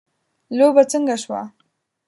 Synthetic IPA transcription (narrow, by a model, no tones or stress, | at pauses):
lobat͡səŋɡaʃwa̰